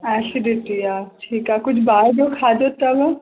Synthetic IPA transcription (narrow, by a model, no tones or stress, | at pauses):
ɛːsɪɖɪʈiaːʈʰiːkaːkʊt͡ʃʰbaːd͡ʒokʰaːd̪ot̪abɐ